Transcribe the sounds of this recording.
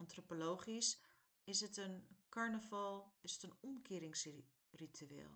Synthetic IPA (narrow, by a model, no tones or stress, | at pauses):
ɑntropolowχis | ɪsətənkɑɹnəvɑlˠɪsətənɔmkɪːɾɪŋs | ritʰyḛːlˠ